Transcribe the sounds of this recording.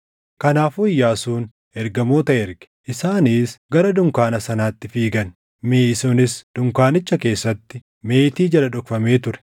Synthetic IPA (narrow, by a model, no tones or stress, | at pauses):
kɐnaːfʊɪjːaːsuːn | ɛɾɡɐmo̞ːt̪ɐɛɾɡɛ̥ʔɪsaːniːsɡɐɾɐd̪ʊŋkaːnɐsɐnaːt̪ːɪfiːɡɐn | meːɪsuːnɪsd̪̥ʊŋkaːnɪt͡ʃːɐke̞ːsːɐt̪ːɪ | me̞ːt̪iːd͡ʒɐlɐᶑʊkfɐme̞ːt̪ʊɾɛ̥